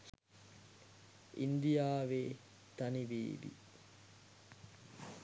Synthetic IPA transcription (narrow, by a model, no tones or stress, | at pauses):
ind̪ijaːʋeː | t̪ɐniʋḛːʋḭ